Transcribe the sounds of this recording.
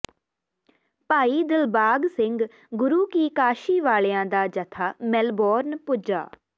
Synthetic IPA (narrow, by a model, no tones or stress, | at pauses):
paːiːd̪ɪlbaːɡsɪŋɡ | ɡʊɾuːkiːkaːʃiːʋaːɭejãːd̪aːd͡ʒət̪ʰaːmɛlbɔːɾnpʊd͡ʒa̰ː